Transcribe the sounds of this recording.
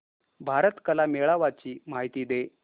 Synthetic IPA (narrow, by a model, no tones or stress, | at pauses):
bʱaɾət̪kəlameɭaʋat͡ɕiːmaɦit̪iːd̪e